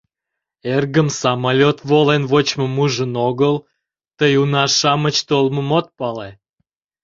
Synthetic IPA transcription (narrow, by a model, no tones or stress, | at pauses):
erɣəmsɑmɑlʲot̪βolenβot͡ɕməmuʒənoɣəl | t̪əjunɑʃɑmət͡ɕt̪olməmot̪̚pɑle